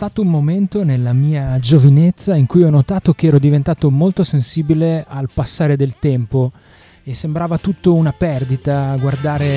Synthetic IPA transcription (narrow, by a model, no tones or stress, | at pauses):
st̪aːt̪oummoment̪onelːamiːad͡ʒovinet̪sːaiŋkujɔnːot̪aːt̪ok̟eɛːɾod̪ivent̪aːt̪omolt̪osensiːbilealpasːaːɾed̪elt̪ɛmpo | esːembɾaːvat̪ut̪ːounapɛrd̪it̪aɡward̪aːɾe